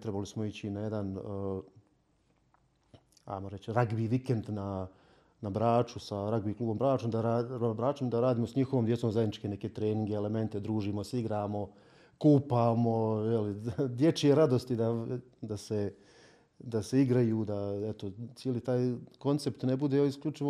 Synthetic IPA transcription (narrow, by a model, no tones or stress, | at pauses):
t̪ɾebalismoit͡ɕinajed̪an | a̰jmoɾet͡ɕɾaɡbiːʋikend̪na | nabɾaːt͡ʃusaɾaɡbiːkluːbo̞mbɾaːt͡ʃomd̪aɾabɾaːt͡ʃomd̪aɾaːd̪iːmo̞saɲixo̞ʋomd̪jet̪somzajd̪nit͡ʃkene̞ke̞ːt̪ɾeːniŋɡeːle̞me̞nt̪e̞d̪ɾuːʒiːmosiɡɾaːmo̞ | kuːpaːmo̞jelid̪je̞t͡ʃieɾad̪o̞st̪id̪a | d̪ase | d̪aseiɡɾajuːd̪aet̪ot̪jeːlit̪aːjko̞nt̪se̞pt̪ne̞bud̪eoiskʎʲut͡ʃiʋo